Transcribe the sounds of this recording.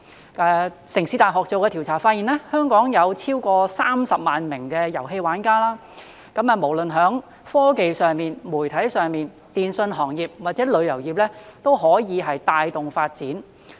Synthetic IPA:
ɛː˨˧˩ | sɪ˨˩ŋsi˨˧t̪aː˨jɦɔː˨˩k̚t͡so˨˧kɛː˧iː˨˩wt͡sʰaː˨˩faː˧t̚i˨˩nɛː˥hœː˥ŋkɔː˨˥ŋjɐ˨˧wt͡sʰiː˥wkɔː˧saː˥msɐ˨p̚maː˨nmɪ˨˩ŋkɛː˧jɐ˨˩wɦe˧jwaː˨˥nkaː˥laː˥ | kɐ˨˥mɐ˨˧mo˨˩wlɵ˨nɦœː˨˥ŋ | fɔː˥ke˨jsœː˨˩ŋmiː˨nmuː˨˩jt̪ʰɐ˨˥jsœː˨ŋmiː˨n | t̪iː˨nsɵ˧nɦɔː˨˩ŋjiː˨p̚waː˨t̚t͡sɛː˨˥lɵ˨˧ɥjɐ˨˩wjiː˨p̚lɛː˥t̪o˥wɦɔː˨˥jiː˨˧ɦɐ˨jt̪aː˨˧jt̪ʊ˨ŋfaː˧t̚t͡siː˨˥n

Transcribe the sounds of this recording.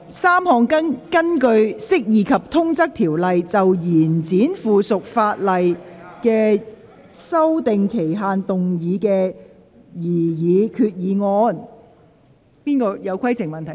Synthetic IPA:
saː˥mhɔː˧ŋkɐ˥kɐ˥nkɵ˧ɥsɪ˥k̚jiː˨˧kʰɐ˨p̚t̪ʰʊ˥ŋt͡sɐ˥k̚t̪ʰiː˨˩wlɐ˨jt͡sɐ˨wjiː˨˩nt͡siː˨˥nfuː˨sʊ˨k̚faː˧t̚lɐ˨jkɛː˧ | sɐ˥wt̪ɪ˨ŋkʰe˨˩jɦaː˨˧nt̪ʊ˨ŋjiː˨˧kɛː˧ | jiː˨˩jiː˨˧kʰyː˧t̚jiː˨˧ŋɔː˧n | piː˥nkɔː˧jɐ˨˧wkʷʰɐ˥jt͡sɪ˨˩ŋmɐ˨nt̪ʰ

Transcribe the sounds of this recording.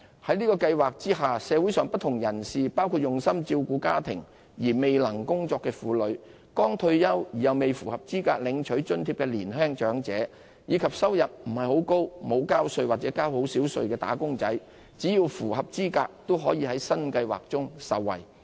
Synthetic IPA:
hɐ˨˥jnliː˥kɔː˧kɐ˧jwaː˨k̚t͡siː˥ɦaː˨˩sɛː˨˧wuː˨˥jsœː˨˧ŋpɐ˥t̚t̪ʰʊ˨˩ŋjɐ˨˩nsiː˨paː˥wkʰu˧t̚jʊ˨ŋsɐ˥mt͡siː˧wkuː˨˧˥kaː˥t̪ʰɪ̰˨˩ŋ | jiː˨˩me˨jlɐ˨˩ŋkʊ˥ŋt͡sɔː˧kːɛː˧fuː˨lɵ˨˧ɥ | kɔː˥ŋt̪ʰɵ˧ɥjɐ˥wjiː˨˩jɐ˨wme˨jfuː˨˩hɐ˨p̚t͡siː˥ka̰ː˧k̚lɪ˨˧ŋt͡ʃʰɵ˨˥t͡ʃɵ˥nt̪ʰiː˧p̚kɛː˧liː˨˩nɦœː˥ŋt͡ʃœː˨˥ŋt͡sɛː˨˥ | jiː˨˧˥kʰɐ˨p̚sɐ˥wjɐ˨p̚m̩˨˩hɐ˨jho˨˥wko˥wmo˨˧wkaː˥wsɵ˧ɥwaː˨k̚t͡sɛː˨˧˥kaː˥who˨˥wsiː˨˥wsɵ̰˧ɥkɛː˧t̪a̰ː˨˥kʊ˥ŋt͡sɐ˨˥j | t͡siː˨˥ji˧wfuː˨˩hɐ˨p̚t͡siː˥kaː˧k̚t̪o˥wɦɔː˨˥jiː˨˧ɦɐ˨˥jsɐ˥nkɐ˧jwa̰ː˨˩k̚t͡sʊ˥ŋsɐ˨wːɐ̰˨˩j

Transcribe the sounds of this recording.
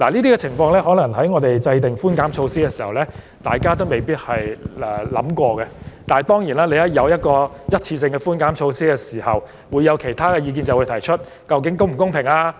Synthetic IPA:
laː˨˩liː˥t̪iː˥kɛː˧t͡sʰɪ˨˩ŋfɔː˧ŋlɛː˥ɦɔː˨˥lɐ˨˩ŋɦɐ˨˥jŋɔː˨˧t̪e˨jt͡sɐ˧jt̪ɪ˨ŋfuː˥nkaː˨˥mt͡ʃʰo˧wsiː˥kɛ˧siː˨˩hɐ˨wlɛː˥ | t̪a̰ː˨jkaː˥t̪̬o˥wme˨˩jpiː˥t̚hɐ˨jɛː˨lɐ̰˨˥mkʷɔː˧kɛ˧t̪aː˨jt̪ɔː˥ŋjiː˨˩naː˥le˨˧jɐ˨˥˩jɐ˨˧wjɐ˥t̚kɔː˧jɐ˥t̚t͡sʰiː˧sɪ˧ŋkɛ˧fuː˥nkaː˨˥mt͡ʃʰo˧wsiː˥kɛː˧siː˨˩hɐ˨w | wu˨˧jːɐ˨˧wkʰe˨˩jt̪ʰaː˥kɛː˧jiː˧k̬iː˧nt͡sɐ˨wu˨˧jt̪ʰɐ˨˩jt͡ʃʰɵ˥t̚ | kɐ˧wk̬ɪ˨˥ŋkʊ˥ŋm̩˨˩kʊ˥ŋpʰɪ˨˩ŋaː˧

